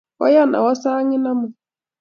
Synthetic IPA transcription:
wɔ̰˦ja˦na̰˨wɔ˦sa˦ŋɪ˦na˦mʊ˨

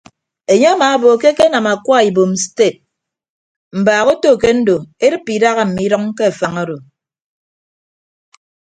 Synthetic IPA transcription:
e˨ɲe˦a˦maː˨˦bo˨ke˦ke˦na˨ma˨kwa˦˨i˨bo˨mste˦˨t̚ | m̩˨baː˨ɣo˦to˦˨ke˦n̩˦do˨e˦ɾɨ˦pːi˨da˦ɣa˨m̩˨mi˦ɾɔ˦ŋ˦ke˦a˨fa˨ŋo˦ɾo˨

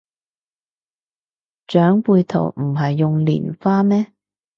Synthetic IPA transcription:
t͡ʃœː˨˥ŋpuː˧jt̪ʰo̰˨˩wm̩˨˩ɦɐ˨jːʊ˨ŋlḭː˨˩nfaː˥mɛː˥

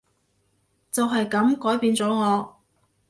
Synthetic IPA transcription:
t͡sɐ˨wɦɐ˨jkɐ˨˥mkɔː˨˥jpiː˧nt͡sɔː˨˥ŋɔː˨˧

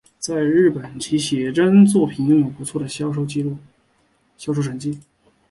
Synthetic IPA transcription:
t͡sa˥˧ɪɻɻ̩˥˩pə˨˩nt͡ɕʰi˧˥ɕjɛ˨˩ʈ͡ʂə˥nt͡swɔ˥˩pʰi˨˩nkɤ˥˩ŋjo˨˩pu˧˥t͡sʰwɔ˥˩d̪ə˩ɕɑ˥ʊʂo˥˧ʊt͡ɕi˥˧lu˥˩ | ɕjɑ˥ʊʂo˥˧ʊʂə˨˩nt͡ɕi˥˩

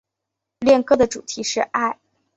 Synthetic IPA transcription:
ljɛ˥˧nkɤ˥˩d̪ə˩ʈ͡ʂu˨˩t̪ʰi˧˥ʂɻ̩˥˧ʔa˥˩ɪ

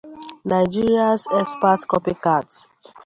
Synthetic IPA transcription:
na˨ɪd͡ʒi˦ɹiasɛ˦spa˦tkɔ˦pi˦kat

